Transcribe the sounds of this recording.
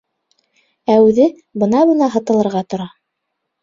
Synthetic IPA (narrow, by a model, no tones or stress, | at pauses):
æʉðɘ | bɤ̆nɑβɤ̆nɑɦɤ̆t̪ɤ̆lˠɤ̆ɾʁɑt̪ŏɾɑ